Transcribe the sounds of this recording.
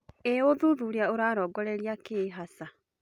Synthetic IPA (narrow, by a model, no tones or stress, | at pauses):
eoðuðuɾeaoɾaːɾɔːɡɔɾeɾiakeɦasa